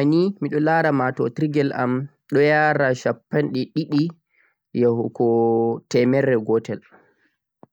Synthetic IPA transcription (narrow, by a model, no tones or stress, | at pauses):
animiɗɔlaɾamatɔtɾiɡɛla̰m | ɗɔjaːɾaʃapːanɗɛɗiɗi | jahɔkɔtɛmɛɾɛɡɔtɛl